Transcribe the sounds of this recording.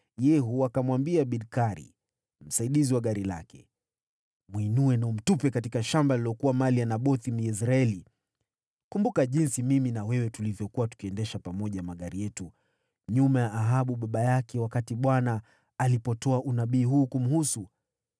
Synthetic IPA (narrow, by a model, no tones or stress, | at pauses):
jɛɦuakamwambiaɓidkaɾḭ | m̩saiɗiziwaɠaɾila̰kɛ̰ | mwinuɛnaum̩tupɛkatikaʃambaliliɔkuwamalijanaɓɔθim̩jɛs̬ɾaɛli | kumbukaʄinsimiminawɛwɛtulivjɔkuwatu̥kiɛndɛʃapamɔʄamaɠaɾijɛtu | ɲumajaʔːɦaɓuɓaɓajakʰɛwakatiɓwanaː | lipɔtɔaʔunaɓiːɦuːkum̩husu